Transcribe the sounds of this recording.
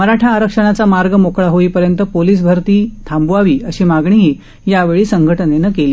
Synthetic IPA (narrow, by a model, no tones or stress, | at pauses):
məɾaʈʰaːɾəkʂəɳ̃at͡samaɾɡəmokɭaɦoiːpəɾjənt̪əpoliːs̬bʱəɾt̪iːt̪ʰambuaʋiːəɕiːmaɡɳ̃iɦiː | jaʋeɭiːsəŋɡʱəʈənenəkeliː